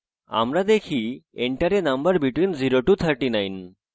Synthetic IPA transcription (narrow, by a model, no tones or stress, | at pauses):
a̰mɾad̪ekʰieɳʈaɾenɐmbəɾbiʈwinziɾoʈut̪ʰəɾʈinajn